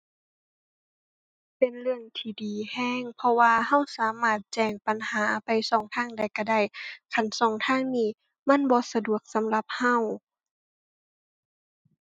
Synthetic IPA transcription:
pe˨nlɯ˧əŋt̪ʰiː˧˩diː˨˩hɛː˧˥˩ŋpʰɔ˧waː˧ha˧˥˨wsaː˨˦maː˧˩t̪̚t͡ɕɛː˧˩ŋpa˨˦nhaː˩˦pa˨jsɔː˨˩˦ŋt̪ʰaː˧˥˩ŋda˧˩jka˧˩da˧˩jkʰa˧˩nsɔː˨˩˦ŋt̪ʰaː˧˥˨ŋniː˧˩˨ | ma˧˥˨nbɔː˧˦sa˧du˨˩ək̚sa˨˦mla˧˦p̚ha˧˩˨w

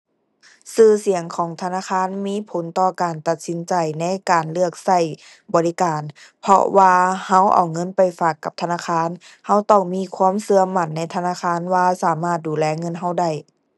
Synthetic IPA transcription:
sɯː˧˩si˨˩˦əŋkʰɔː˨˦ŋt̪ʰa˧naː˧˥˨kʰaː˧˥˨nmiː˧˥˨pʰo˨˦nt̪ɔː˧kaː˨nt̪a˧t̪̚si˨˦nt͡ɕa˨˩jna˧˥˨kaː˨˩nlɯ˧˥˩ək̚sa˧˩j | bɔː˨˩li˦˥kaː˨npʰɔ̰˧waː˧ha˧˥˩wʔa̰˨˩wŋɤ˧˥˨npa˨˩jfaː˧˩kːa˧˦p̚t̪ʰa˧naː˧˥xʰaː˧˥˨n | ha˧˥˨wt̪ɔ˧˩ŋmiː˧˥˨kʰwuː˧˥˨msɯ˧ɐma˧˩˨nːa˧˥˩jt̪ʰa˧naː˧˥˨kʰaː˧˥˨nwaː˧saː˨˦maː˧˩t̪̚duː˨˩lɛː˧˩ŋɤ˧˥˨nɦa˧˥˨wda˧˩j

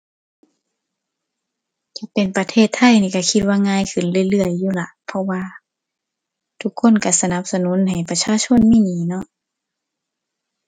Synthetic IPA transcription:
ka˧˩pe˨˩npa˧t̪ʰeː˧˩t̪ʰːa˧˨jniː˧˩ka˧˩kʰi˧t̪̚waː˧ŋaː˧˨jkʰɯ˨˩nlɯ˧˩əjlɯ˧˩əjːuː˧˨la˧˩ʔpʰɔ˧waː˧ | t̪ʰu˧˥kʰːo˧˥˨nka˧˩sa˧na˧˦p̚sa˧nuː˧˥˨nha˨˩jpa˧t͡ɕʰaː˧˨t͡ɕʰo˧˥˨nmiː˧˥˨niː˨˩˦nɔ˧˨ʔ

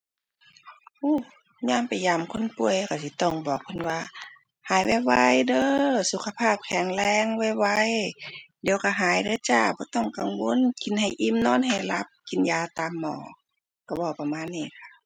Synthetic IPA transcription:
ʔuː˧˩ | ɲaː˧˥˨mpa˨jaː˧˩˨mkʰo˧˥˨npu˧˩əjka˧˩si˧˦t̪ɔ˧˩ŋbɔː˨˩k̚pʰɯ˧˥˨nwaː˧ | haː˨˦jwa˧˩jwa̰˧jdɤː˧˦su˨˧˦kʰːa˧pʰaː˧˩p̚kʰɛː˨˦ŋlɛː˧˥˨ŋwa˧˩jwa˧˨jdi˨ə˦wka˧˩ɦaː˨˦jdɤː˧˦t͡ɕaː˧˩bɔː˧˦t̪ɔ˧˩˨ŋka˨ŋwo˧˥˨nki˨nha˨˩jʔi˧˥˨mnɔː˧˥˨nɦa˨˩jla˧˦p̚ki˨njaː˧˩t̪aː˨mːɔ̰ː˧˦ | ka˧˩bɔː˧˩pa˧maː˧˥˨nːiː˧˨kʰa˧˩

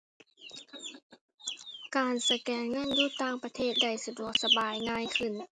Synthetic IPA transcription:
kaː˨˩nsa˧kɛː˨˩ŋŋɤ˧˥˨njuː˧˥˩t̪aː˧˩ŋpa˧t̪ʰeː˥˩t̪̚da˧˩jsa˧du˧˩ək̚sa˧baː˨˩jŋaː˧˥˨jkʰɯ˧˩˨n

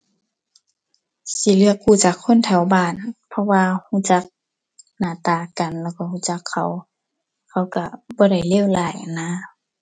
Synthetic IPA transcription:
si˧˦lɯ˧˨əkːuː˧˩˨t͡ɕaː˧˦kʰːo˧˥˨nt̪ʰɛ˨˩wbaː˧˩˨npʰɔ˧waː˧huː˧˥˨t͡ɕa˧˦k̚ | naː˧˩t̪aː˧˩ka˨nlɛː˧˩wka˧˩huː˧˨t͡ɕa˧˦kʰːa˧˨˩w | kʰa˧˩wka˧˩bɔː˧˦da˧˩jleː˧˥˨wlaː˧˩jʔa˨nːaː˧˥˨

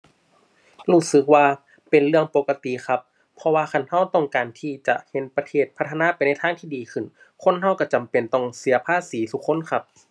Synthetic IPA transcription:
ɾuː˧˩sɯ˧˦k̚waː˧ | pe˨nɾɯ˥˩əŋpo˧ka˧t̪i˨xʰa˧˥p̚ʰː | ɔ˧waː˧ka˧˩nha˧˥˩wt̪ɔ˧˥˩ŋkaː˨nt̪ʰiː˧˩t͡ɕa̰˨˧˩ʔhe˨˦npa˧t̪ʰeː˧˩t̪̚pʰa˧˥t̪ʰːa˧naː˧˥˨pa˨jna˧˥˩jt̪ʰaː˧˥˨ŋt̪ʰiː˧˩diː˨kʰɯ˧˩n | kʰo˧˥˨nɦa˧˩wka˧˥˩t͡ɕa˨mpe˨˩nt̪ɔ˧˩ŋsi˩˦ɐpʰaː˧˥˨siː˨˦t̪ʰu˧˦˥kʰːo˧˥˨nkʰa˧˥p̚

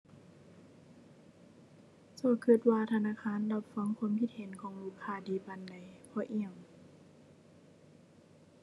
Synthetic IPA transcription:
sɔː˧˩kʰɯ˧˩t̪̚waː˧t̪ʰa˧naː˧˨kʰaː˧˥˨nla˧˩p̚fa˧˥˨ŋkʰu˧˦ə˨mkʰi˧˥t̪̚he˨˦nkʰɔː˨˦ŋluː˧˩˨kʰːaː˧˩˨diː˨˦pa˧˨nda˨˩jpʰɔː˧˦ʔi˧˩əŋ

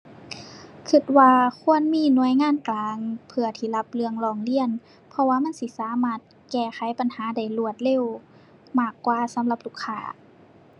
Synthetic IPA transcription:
kʰɯ˧˩t̪̚waː˧kʰu˧˥˨ənmiː˧˥˨nu˧˨əjŋaː˧˥˨nklaː˨˧ŋpʰɯ˧ɐt̪ʰiː˧˩la˧˦p̚lɯ˧əŋlɔː˧˩ŋli˧˨ə˨n | pʰɔ˧waː˧ma˧˥˨nsi˧˦saː˨˦maː˧˩t̪̚ | kɛː˧˩xʰa˨˦jpa˨nhaː˨˦da˧˩jlu˧˩ət̪̚le˧˨w | maː˧˩kːwaː˧˩sa˨˦mla˧˦p̚lu˧˩kʰːaː˧˩

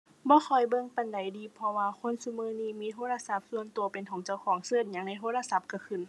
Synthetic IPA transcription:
bɔː˧˦xʰɔ˨˩jbɤ˧˨ŋpa˨nda˨˩jdiː˨˦pʰɔ˧waː˧kʰo˧˥˨nsu˧˥mɯː˧˥˨niː˧˩miː˧˥˨t̪ʰoː˧˥˨la˧sa˧p̚su˧ənt̪u˨˩əpe˨nt̪ʰoː˨˦ŋt͡ɕa˧˨wkʰɔː˨˩˦ŋsɤː˧˩˨t̪̚ɲa˧˦ŋna˧˥jt̪ʰoː˧˥˨la˧sa˧˦p̚ka˧˩kʰɯ˧˨n

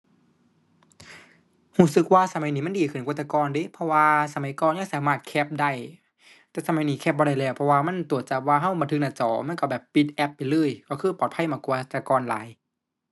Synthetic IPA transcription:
huː˧˩sɯ˧˥k̚waː˧sa˧ma˨˦jniː˧˦m˧˥˨diː˨˩kʰɯ˧˩nkːt̪ʰːa˧kɔː˧ndiː˧˥˦pʰɔ˧waː˧sa˧ma˨˦jkɔː˧˨nja˧˥˨ŋsaː˨˦maː˧˩t̪̚kʰɛ˧p̚da˧˩j | t̪ɛː˧˩sa˧ma˨˦jniː˧˦kʰɛ˧˥p̚bɔː˧ɾa˧˩jlɛː˧˩wpʰɔ˧waː˧ma˧˥˨nt̪u˨˩ət̪̚t͡ɕa˧˦waː˧ɦa˧˥˩wbaː˧˨ntʰɯ˧k̚naː˧˩t͡ɕɔ̰ː˨˩˦ma˧˥˨kɔ˧˩bɛː˨˩pːi˧t̪̚ʔɛ˧˥pːa˨jlɤː˧˥˨jkɔː˧˩kʰɯː˧˥˩pɔː˨˩t̪̚pʰa˧˥˨jmaː˧˩ku˧t̪a˧kɔː˧nla̰ː˨˦j

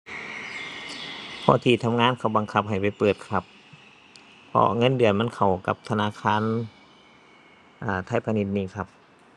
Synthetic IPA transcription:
pʰɔ˧˥t̪ʰiː˧˩t̪ʰa˧mŋaː˧˥˨nkʰa˧˩wba˧ŋkʰa˧˥p̚ɦa˨˩jpa˨˩jpɤː˨˩t̪̚kʰa˧˥p̚ | pʰːɔ̰˧ŋɤ˧˥˨ndɯ˨˩ənma˧˥˨nkʰa˨˩wka˧˦p̚t̪ʰa˧naː˧˥˨kʰaː˧˥˨n | ʔaː˧˩t̪ʰa˧˥˩jpʰa˧ni˧˥t̪̚niː˧˨kʰa˧p̚

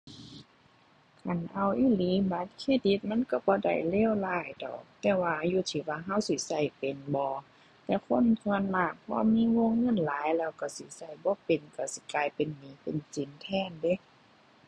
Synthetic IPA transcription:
kʰa˨˩˨nʔa˧˩wʔiː˧˥˨liː˨˦ba˧˦t̪̚kʰeː˧˥˨di˧˦t̪̚ma˧˥˨nka˧˩bɔː˧˦da̰˨˩jleː˧˥˨wlaː˧˩jdɔ̰ː˨˩k̚t̪ɛː˧waː˧juː˧˩t̪ʰiː˨˦waː˧ɦa˧˥˨wsi˨˦sa˧˩jpe˨nbɔː˧˦ | t̪ɛː˧kʰo˧˥˨nt̪ʰɯ˧ə˨nmaː˧˩k̚pʰɔ˧miː˧˥˨woː˧˨ŋːɤ˧˥˨nlaː˨˦jlɛː˧˩wka˧˩si˧˦sa˧˩jbɔː˧˦pe˨nka˧˩si˧˦kaː˧˩jpe˨nmiː˨˦pe˨nt͡ɕi˨˦nt̪ʰɛː˧˥˨nde˧˦˨

